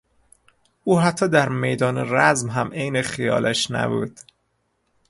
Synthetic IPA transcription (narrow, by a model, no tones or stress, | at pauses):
uːɦæt̪ʰːɒːd̪æɾmejd̪ɒːneɾæzmɦæmʔejnexijɒ̰ːlʔæʃnæ̰bṵːd̪̥